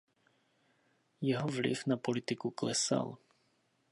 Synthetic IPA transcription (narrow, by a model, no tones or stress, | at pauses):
jɛɦɔʋlḭvnapɔlit̪ikuklɛsa̰l